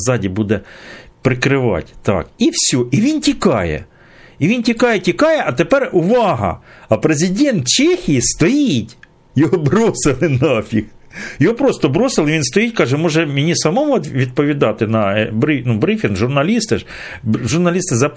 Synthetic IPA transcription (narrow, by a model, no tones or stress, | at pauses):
zɑdʲibud̪ɛpɾɪkɾɪʋɑ̰tʲt̪ɑ̰kiwsʲuʔiʋʲintʲikɑjɛ̰ | iʋʲintʲikɑjɛtʲikɑjɛʔɐt̪epɛrʊʋɑɦɐ̰ɐpɾezʲɪdʲɛnt̪t͡ʃexʲɪjist̪ɔjitʲ | jɔɦɔbɾosɪlˠɪnɐfʲixjɔɦopɾost̪ɔbɾɔsɪlˠɪʋinst̪ɔjitʲkɑʒɛmuʒɛmʲɪnʲisɐmomɔt̪ʋʲid̪̚pɔʋʲid̪ɑt̪ɪnɐbɾɪnubɾifʲɪnɡʒʊrnɐlʲist̪ɪʃ | ʒʊrnɐlʲist̪ɪzɐ